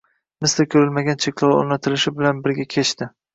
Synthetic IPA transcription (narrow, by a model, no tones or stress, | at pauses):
mɪslɪkʲʰɵɾɪlmaɡʲant͡ʃʰe̞kʲʰlˠɒwo̰nat̪ʰɪlɪʃɪbɪlanbɪɾɡʲakʲʰe̞t͡ʃt̪ɪ